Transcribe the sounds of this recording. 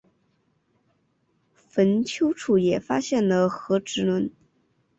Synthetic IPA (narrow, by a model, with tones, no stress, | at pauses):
fə˧˥nt͡ɕʰjo˥ʊʈ͡ʂʰu˨˩jɛ˨˩fa˥ɕjɛ˥˩nlə˩xɤ˧˥ʈ͡ʂɻ̩˧˥lwə˧˥n